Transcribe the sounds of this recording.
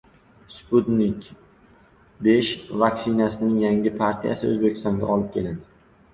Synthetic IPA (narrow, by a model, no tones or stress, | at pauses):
sput̪nɪkʲ | beʃvakʲsɪnasɪnɪŋjaŋʲɪpʰaɾt̪ʰija̰sɪɵ̰zbekʲɪ̥st̪ɒŋɡʲa̰ɒlɪp̚kʲʰe̞lad̪ɪ